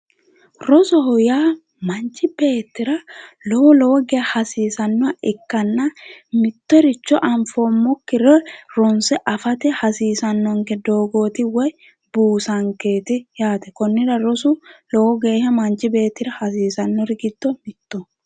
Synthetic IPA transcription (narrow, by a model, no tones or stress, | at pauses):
ɾɔsɔɦɔjaː | mɐnt͡ʃɪbe̞ːt̪ːɪɾɐlɔwɔlɔwɔɡeːhɐsiːsɐnːɔɐʔɪkːɐnːɐmɪt̪ːɔɾɪt͡ʃːɔʔɐmfoːmːɔkːɪɾɛɾɔnsɛʔɐfɐt̪ɛhɐsiːsɐnːɔŋkɛd̪oːɡo̞ːt̪ɪwɔj | buːsɐŋke̞ːt̪ɪjaːt̪ɛkɔnːɪɾɐɾɔsʊlɔwɔɡe̞ːhɐmɐnt͡ʃɪbe̞ːt̪ːɪɾɐhɐsiːsɐnːɔɾɪɡɪd̪̥ːɔmɪt̪ːɔ